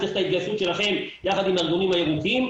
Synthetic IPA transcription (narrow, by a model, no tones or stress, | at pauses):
eχt̪ait̪̚ɡajsut̪ʃe̞laχe̞mjaχad̪imaʁɡolimhajeʁut̪im